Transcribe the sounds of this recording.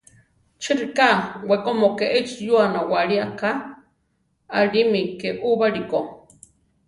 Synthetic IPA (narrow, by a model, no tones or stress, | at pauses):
t͡ʃiɾikawekomokeʔet͡ʃjuanawaɾiaka | aɾimikeʔuβaɾiko